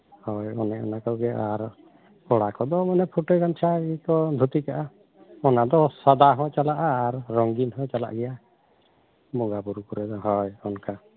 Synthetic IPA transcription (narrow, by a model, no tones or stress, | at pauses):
hɔjɔnɛɔ̰nakɔwɡɛaɾ | ɔɽakɔd̪ɔmanɛpʰuʈɔɡant͡ʃʰaɡɛkɔd̪ʱut̪ikaʔa | ɔnad̪ɔsad̪aɦɔ̃jt͡ʃalaʔaːɾːɔŋɡinɦɔjt͡ʃala̰ʔɡɛja | bɔŋɡabuɾukuɾɛd̪ɔɦɔjɔnka